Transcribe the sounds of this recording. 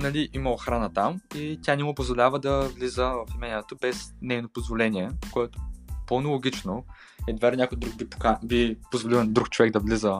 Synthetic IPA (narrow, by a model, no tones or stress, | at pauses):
nɐlʲiʔiməoxɾanət̪amit̪ʲanɛmʊpozvolʲavəd̪ɐvlizəvɐfimɛnɛt̪obɛsnɛjnopozvolɛniɛkoɛt̪o̥ponolˠoɡʲit͡ʃno | ɛd̪vɛɾnʲakojd̪ɾuɡ̚bipo̥kabipozvolilˠnd̪ɾukt͡ʃovɛɡ̚d̪ɐvlizə